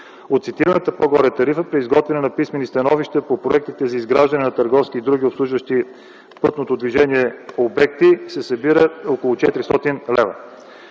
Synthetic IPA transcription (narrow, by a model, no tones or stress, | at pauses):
ot̪t̪sit̪iɾənət̪əpoɡɔɾɛt̪ɐɾifəpɾiːzɡɔt̪vɛnɛnɐpismɛnist̪ɐnɔviʃt̪əpopɾoɛk̚t̪it̪ɛzɐizɡɾaʒd̪ɐnɛnɐt̪əɾɡɔfskiːd̪ɾuɡ̟ʲiopslˠuʒvəʃt̪i | pɤt̪not̪od̪viʒɛniɛobɛk̚t̪isɛsɐbiɾəokolˠot͡ʃɛt̪ɾist̪ɔt̪inlɛvə̰